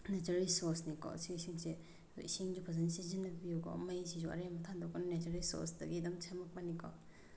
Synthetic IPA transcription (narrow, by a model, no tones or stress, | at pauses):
netɐɾelsoɾsnikɔ̰sisiŋsḛ | siŋd͡ʒupʰazɐnsizinːɐpijukɔ̰majsizuɐ̰ɾemɐtʰandɔkɔnnetɐɾelso̰ɾsdɐɡidɐmsʰemɐk̚manikɔ̰